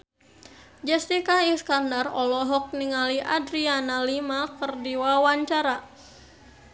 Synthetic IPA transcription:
d͡ʒɛst̪ikaiskandarɔlɔɦɔk̚niŋaliʔadɾianalimakərdiwawaɲt͡ʃaɾa

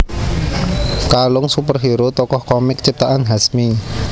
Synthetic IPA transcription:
kalʊŋsupərɦiɾot̪ɔkɔhkɔmɪkt͡ʃip̚t̪aʔanɦasmi

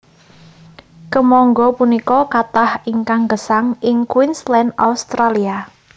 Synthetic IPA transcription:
kəmɔŋɡɔpunikɔkat̪ahiŋkaŋɡəsaŋɪŋkwɪnslɛna̰ust̪ɾalia

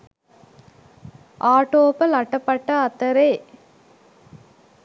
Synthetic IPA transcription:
ʔaːʈoːpɐlɐʈːɐpːɐʈːɐɐt̪ːɐɾe

